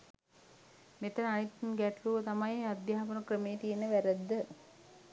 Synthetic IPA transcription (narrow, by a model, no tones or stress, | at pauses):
meʈənanit̪ːnɡæʈluʋət̪amajead̪jaːpənəkrəmejət̪ijenəʋæɾæd̪ːə